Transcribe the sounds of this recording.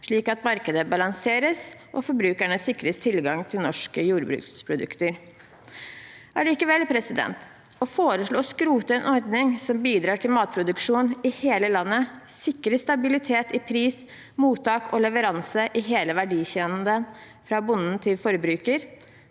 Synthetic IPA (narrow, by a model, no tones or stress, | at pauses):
ʂɭiːkɑt̪mɑɾkəd̪əbɑlɑŋseːɾəsʔɔ̰fɔɾbɾʉːkæɳəsɪkɾəst̪ʰɪlɡɑŋt̪ʰɪlnɔʂkəjuːɾbɾʉ̰ːkspʰɾʊd̪ʉ̰kt̪əɾ | ʔæɭiːkəʋɛlpʰɾɛsɪd̪ɛ̰nt̪ | ɔfoːɾəʂɭoːskɾuːt̪əɛnʔɔɾd̪nɪŋsɔmbiːd̪ɾɑːʈʰɪlmɑːt̪̚pʰɾʊd̪ʉkʂuːnɪheːləlɑnːə | sɪkːɾəst̪ɑbɪlɪt̪ʰeːt̪ɪpʰɾiːs | muːt̪ɑːkʰɔlɛʋəɾɑnsəʔɪɦeːləʋæɖiːçɛːnn̩d̪ən | fɾɑbʊnn̩t̪ʰɪlfɔɾbɾʉːkəɾ